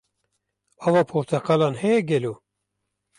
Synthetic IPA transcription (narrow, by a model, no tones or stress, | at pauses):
ɑvɑːpʰoɾt̪ʰɛqɑlɑːnhɛjɛɡʲɛloː